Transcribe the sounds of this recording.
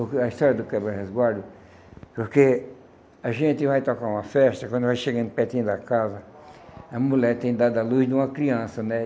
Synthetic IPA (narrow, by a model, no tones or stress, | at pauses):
okɐist̪ɔɾjɐd̪ʊkɛbɾehezɡwaɾd̪ʊ | poɾke | ɐʒẽnt̪ɪvajt̪okaɾũmɐfɛʃt̪ɐkwɐ̃nd̪vajʃeɡɐ̃npɛt̪ĩɲd̪ɐkazɐ | ɐmulɛɾt̪ẽj̃d̪ad̪ɐluzd̪ũmɐkɾiɐ̃sɐnɛ